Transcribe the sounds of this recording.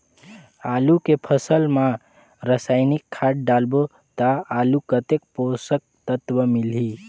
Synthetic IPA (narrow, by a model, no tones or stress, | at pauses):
alukepʰəsəlma | ɾəsajnikʰːaʈ̚ɖalbo | t̪aalukət̪ek̚posək̚t̪ət̪wəmilɦi